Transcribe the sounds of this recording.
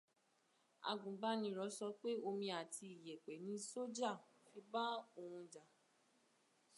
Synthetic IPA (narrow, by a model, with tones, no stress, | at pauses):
a̰˧ɡũ˨ba˦nĩ˧˦ɾɔ˧˦sɔ˧k͡pe˦o˧mĩ˧a˨tʰi˧i˨jɛ˨k͡pɛ˨˦nĩ˨˧˦so˦d͡ʒa˦˨fi˧˦ba˦o˦˧˨hũ˧d͡ʒa˨